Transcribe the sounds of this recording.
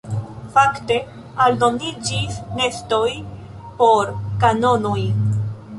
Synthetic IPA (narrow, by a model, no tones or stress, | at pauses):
fakte̞ | aldo̞nid͡ʒisne̞sto̞j | po̞ɾkano̞noj